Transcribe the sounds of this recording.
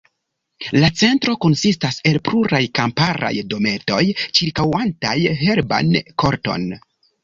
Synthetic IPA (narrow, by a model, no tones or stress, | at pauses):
lat͡se̞ntɾo̞ko̞nsistase̞lpluɾajkampaɾa̰jdo̞me̞to̞jt͡ʃiɾkawantajɦe̞ɾba̰nkʰo̞ɾto̞̰n